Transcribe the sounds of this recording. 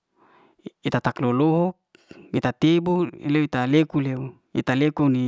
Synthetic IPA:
it̪at̪akloloɦɔk̚ | it̪at̪eboleuit̪alekuleu | ḭt̪alekoni

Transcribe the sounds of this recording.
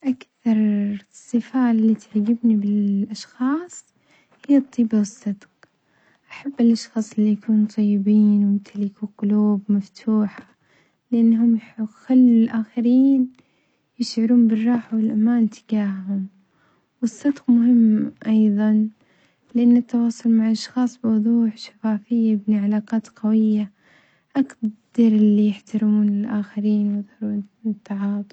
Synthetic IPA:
ʔakθɑɾˤsˤːɨfaːlːit̪ɪʕɡɪbnibɪlʔɑʃxɑːsˤ | hɪjːɑt̪ˤːiːbawɨsˤːɨd̪q | ʔaħabːɪlʔɑʃxɑːsˤɪlːijakuːnt̪ˤɑjːɪbiːnwt̪ʰalɪkuqʊluːbmaft̪ʰuːħḁ | lɪʔanːhʊmjxalːlʔaːxɪɾiːn | jɪʃʕʊɾuːnbɪrˤːɑːħawɪlʔamaːnt̪ɪ̥ɡaːhhʊm | wɨsˤːɑd̪qmʊɦɪmːʔɑjðˤɑn | lɪʔanːɪt̪ːɑwɑːsˤʊlmaʕʔɑʃxɑːsˤbɪwʊðˤuːħʃḁfaːfɪjːaɪbniʕalaːqɑːt̪qawɪjːa | ʔakd̪ɑɾˤɪlːijɪħt̪aɾɪmuːnɪlʔaːxɪɾiːnwjɨðˤhɑɾˤuːnt̪ːɑʕɑːt̪ˤ

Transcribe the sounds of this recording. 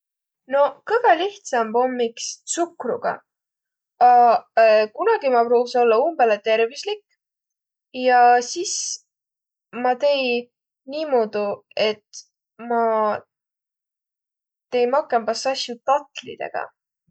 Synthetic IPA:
no̞kɤjvɑliht̪sɑmpo̞mːikssukrṵɡ̥ɑ̰ | ɑ | kunɑɡ̥imɑproːso̞lːɑumb̥e̞let̪e̞ɾvislik | jɑsis | mɑt̪e̞j | niːmoːd̪̥ue̞t̪ | mɑ | t̪e̞jmɑkːˑembɑsɑsjut̪ɑt̪ˑlḭd̪̥e̞̰ɡ̥ɑ̰

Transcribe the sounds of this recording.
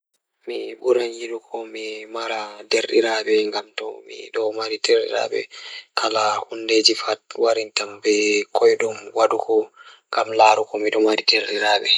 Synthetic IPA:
miɓuɾanjiɗukʰɔmimaɾadeɾɗḭɾabɛŋɡamtɔ̰mḭɗɔmaɾidɛɾɗḭɾa̰bɛ̰kʰalahunded͡ʒifat̚waɾintambɛkʰɔjɗumwaɗukʰɔŋɡamlaːɾukɔmiɗɔmaɾideɾɗiɾaːɓɛ

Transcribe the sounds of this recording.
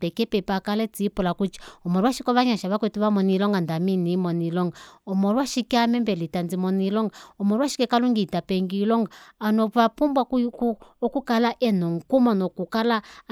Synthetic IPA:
ɛkɛpɛpakalɛt͡siːpulakut͡ʃi̥ɔmɔɾwaʃikɔβaɲaʃaβaketiβamɔnilɔŋɡandaminimɔnilɔŋɡaɔmɔɾwaʃikiamɛmbɛlitand͡zimɔnilɔŋɡaɔmɔɾwaʃi̥kɛkaluŋɡitapeŋɡilɔŋɡaːnɔapumbwakukokukalaʔɛnɔŋ̩kumɔnɔkukala

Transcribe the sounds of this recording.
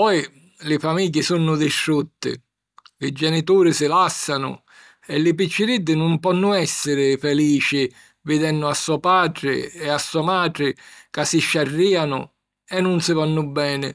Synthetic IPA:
pɔj | lɪfamiːɟːɪsunːʊd̪ɪʃɾut̪ːɪ̰ | lɪd͡ʒɛnit̪uːɾɪsɪlasːanʊ̰ | ɛlːɪp̬it͡ʃːɪɾid̪ːɪnʊmpɔnːʊɛsːɪɾɪfɛliːt͡ʃɪ | vɪd̪ɛnːʊasːuɔpaːd̪ɾɪ̰ɛasːuɔmaːd̪ɾɪkasːɪʃːarːiːanʊ̰ | ɛnːʊnsɪvanːʊbːɛːnɪ

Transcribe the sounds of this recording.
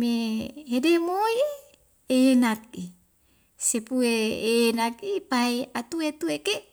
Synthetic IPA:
meɦedemoj | eːnak̚i | sepueeːnak̚ipaeat̪uet̪ueke

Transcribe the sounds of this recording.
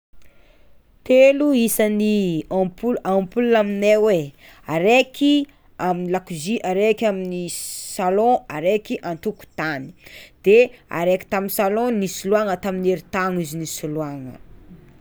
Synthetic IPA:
t̪eluisəniapuampulunaminewe | aɾekʰi | aminilakiziʔaɾekʲaminisalɔ̃aɾekiʔãnt̪uku̥t̪ani̥d̪̥ea̰ɾeki̥t̪aminsalɔ̃nisuluaŋət̪amineɾit̪aŋizinisuluaŋə̰

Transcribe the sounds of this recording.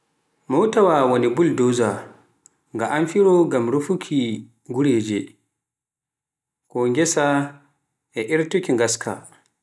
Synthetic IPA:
mɔwtawawonibuldɔza | ŋɡaʔanfiɾɔɡamɾufukʰi | ɡuɾɛːd͡ʒɛ | kɔŋɡɛsa | ʔɛʔiɾtukʲiŋɡaskʰa̰

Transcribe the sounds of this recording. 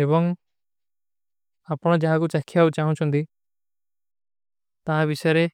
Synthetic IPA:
eβɔŋ | apɽ̃ɔ̃d͡ʒaɦakut͡ʃakʰijabut͡ʃaɦũt͡ʃʰund̪i | t̪aɦãbisɔɾe

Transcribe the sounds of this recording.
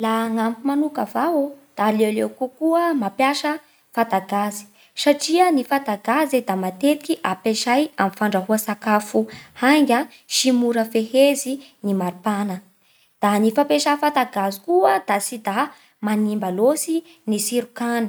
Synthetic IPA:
laŋamkumanukavaod̪̥alewlewkukuəmapjaʃə | fad̪aɡazi̥ | saʈ͡ʂiənifad̪aɡazed̪amat̪et̪i̥kʲiʔapeʃajamifaɳɖ͡ʐaɦuəsakafuhaŋɡʲa | ʃimuɾəfehezinimaɾipanə | d̪̥anifapeʃafad̪aɡazikuəd̪̥asid̪a | manimbalosi | nisiɾukanə̥

